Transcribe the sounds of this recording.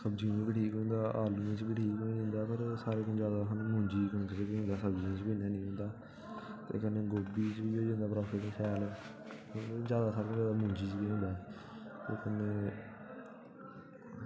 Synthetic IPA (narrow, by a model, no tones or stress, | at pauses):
səbd͡ʒiõt͡ʃbiʈʰiːkɦõːnd̪aːʔaːlũːmẽt͡ʃbiʈʰiːkõẽnd̪aːpəɾsaːɾeːkəd͡ʒjaːd̪aːsnũːmʊ̃ːɲd͡ʒiːkõːnt͡ʃt͡ʃəkːɦõːd̪aːsəbd͡ʒiːõt͡ʃbĩːnaːnĩːɦʊ̃ːnd̪aː | t̪ḛːkənːeːɡoːbiːt͡ʃbiːoːd͡ʒẽːnd̪aːpɾaːpʰɪʈsʰɛːlɛː | d͡ʒjaːd̪aːsaːɾẽːd͡ʒaːd̪aːmʊ̃ːɲd͡ʒiːt͡ʃbiɦõːnd̪aː | t̪eːkənːeː